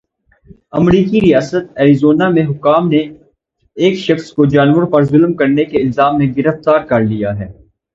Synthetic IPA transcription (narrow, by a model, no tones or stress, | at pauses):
ɐmɾiːkiɾijaːsət̪̚ɛːɾizoːnamẽɦʊkːaːmne | eːkʃɐxskod͡ʒaːnwəɾpɐɾzʊlmkɐɾnekeɪlzaːmːẽɡɪɾəft̪aːɾkɐɾlijaɦɛː